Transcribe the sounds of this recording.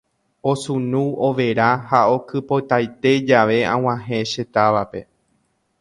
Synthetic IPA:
o̞sũnũo̞ʋe̞ɾahao̞kɨpot̪ajt̪e̞d͡ʒaʋe̞ã̰w̃ãɦẽ̞ʃe̞t̪aʋape̞̰

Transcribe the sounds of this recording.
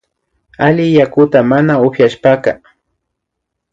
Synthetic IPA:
alɪjakʊt̪amanaʊχjaʃpaka

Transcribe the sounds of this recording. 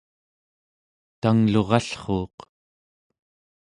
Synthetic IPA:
t̪aŋlo̞ʁɑɬχoːq

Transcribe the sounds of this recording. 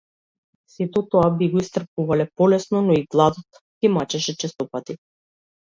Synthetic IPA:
sit̪ɔt̪ɔabiɡɔist̪r̩p̚uvalɛpɔlɛsnɔnɔiɡlˠad̪ɔt̪ | kimat͡ʃɛʃɛt͡ʃɛst̪ɔpat̪i

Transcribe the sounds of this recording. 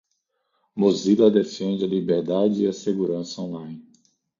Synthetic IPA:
mozilɐd̪efẽnd͡ʒɪɐlibeɾd̪ad͡ʒɪiɐseɡuɾɐ̃sɐõlãj̃n

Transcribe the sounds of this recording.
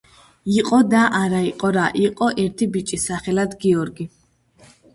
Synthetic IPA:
iqʼɔd̪aʔaɾaiqʼɔɾaʔiqʼɔʔɛɾt̪ʰibit͡ʃʼisaχɛlad̪ɡiɔɾɡi

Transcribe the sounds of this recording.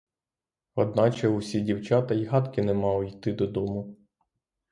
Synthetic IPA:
ɔd̪̚nɑt͡ʃɛusʲidʲiwt͡ʃɑt̪ɐjɦɑt̪kɪnɛmɑwjt̪ɪd̪ɔd̪ɔmʊ

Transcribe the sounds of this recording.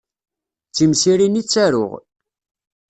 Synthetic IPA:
t͡sːimsiɾinit͡sːæɾʊ̰ʁ

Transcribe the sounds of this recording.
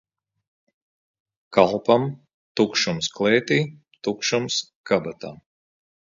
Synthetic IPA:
kalˠpam | t̪ukʃumsklˠɛːt̪iː | t̪ukʃumskabat̪aː

